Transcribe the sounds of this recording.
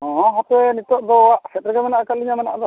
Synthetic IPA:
ɔ̃ɦat̪ɛnit̪ɔʔd̪ɔwaʔsɛt̪ɾɡɛmanaʔkaliɲamanaʔd̪ɔ

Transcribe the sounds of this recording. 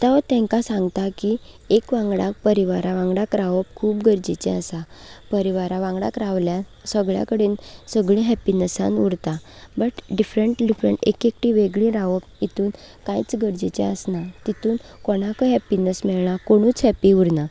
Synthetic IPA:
t̪aʋət̪ɛ̃ŋkasãŋɡt̪aki | ekʋãŋɡɽak̚pəɾiʋaɾaʋãŋɡɽakɾaʋəpkʰuːpɡəɾd͡ʑit͡ɕɛ̰̃əsapəɾiʋaɾaʋãŋɡɽa̰kɾaʋljasəɡɭja̰kəɽeːnsəɡɭĩɦɛpinəsa̰nuɽt̪abəʈɖifɾəɳʈɖifɾə̰ɳʈḛkekʈiʋeɡɭĩɾaʋəp̚it̪uːn | kãjt͡sɡəɾd͡ʑit͡ɕɛ̰əsnat̪it̪uːnkɔɽ̃akəɦɛpinəsmɛɭɳakoɽ̃ũːt͡sɦɛpiuɽna

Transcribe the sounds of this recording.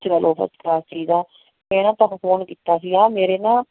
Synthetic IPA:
t͡ʃkəlʔoːpʰə̰skɾaːst͡ʃiːd̪aː | mɛ̃ːnãːt̪ãkfʰoːnkiːt̪ːaːsiaːmeːɾeːnãː

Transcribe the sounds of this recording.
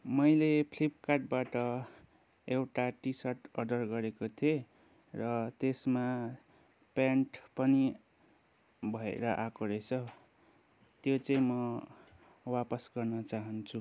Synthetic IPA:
mʌjlepʰlip̚kaʈ̚baʈʌ | ewʈaʈisʌʈʌdʌrɡʌɾekot̪ʰie | rʌt̪esma | paɳʈpʌni | bʱʌḛɾʌʔakoɾʌt͡sʰʌ | t̪jot͡sʌĩmʌ | wapʌsɡʌrnʌt͡saɦʌnt͡sʰu

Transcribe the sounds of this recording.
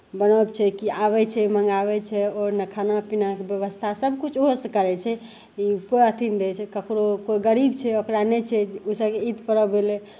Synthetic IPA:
bənəbt͡ʃʰɛkiaβɛt͡ʃʰɛməŋɡabɛt͡ʃʰɛɔɾnəkʰanapinakebjəβəst̪ʰasəbkut͡ʃʰoɦsə̃kəɾɛt͡ʃʰɛ | iupoət̪ʰind̪ɛt͡ʃʰɛkəkɾokoiɡəɾibt͡ʃʰɛokɾanet͡ʃʰɛusəbkeid̪pəɾəbelɛ

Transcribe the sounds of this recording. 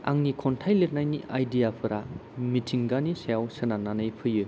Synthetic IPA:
a̰ŋnikʰɔntʰajlet̚najniajdijapʰɯɾamitʰiŋɡanisajawsɯnananɯjpʰɯjɯ

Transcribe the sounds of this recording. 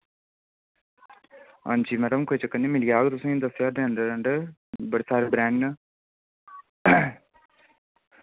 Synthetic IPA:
a̰ːnd͡ʒiːmɛːɖəmkot͡ʃəkːəniːmɪlijaːɡt̪ʊsẽːd̪əsjaːd̪eːənd̪əɾəɳɖbəɽeːsaːɾebɾɛ̃ːɳɖ

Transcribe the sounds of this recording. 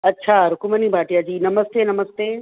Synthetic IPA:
ɐtːɕʰaɾʊkumɐnibʱaːʈijad͡ʑiːnɐməst̪eːnɐməst̪eː

